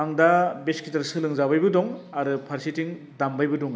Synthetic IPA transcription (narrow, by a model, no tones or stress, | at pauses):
aŋdabeskʰitaɾsɯlɯŋzabajbɯdɔŋaɾɯpʰaɾsitiŋ | dambajbɯdɔŋ